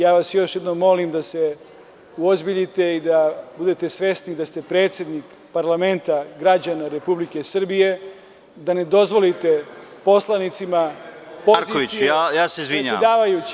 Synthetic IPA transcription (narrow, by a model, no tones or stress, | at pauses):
jaːʋasjo̞ʃje̞d̪no̞mːo̞limd̪ase̞ | uozbiʎit̪e̞id̪abud̪et̪e̞sʋe̞st̪nid̪ast̪e̞pɾe̞ːt̪sje̞d̪nik | paɾlame̞nt̪aɡɾad͡ʑanaɾepublike̞sr̩bije̞ | d̪ane̞d̪o̞zʋo̞lit̪e̞po̞slˠanit̪sima | poɾkoʋiijaːjaːseizʋiɲa̰d̪aːʋajut͡ɕ